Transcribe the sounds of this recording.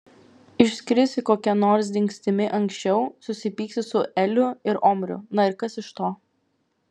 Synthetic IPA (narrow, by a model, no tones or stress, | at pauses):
ɪʃʲsʲkʲɾʲɪsʲɪkoːkʲɛnoːɾs̬d̪ʲɪŋʲksʲt̪ʲɪmʲɪʔɐŋksʲt͡ʃʲɛʊsʊsʲɪpʲiːksʲɪsʊʔɛlʲʊɪɾɔːmʲɾʲʊ̰nɐɪɾkɐsɪʃt̪oː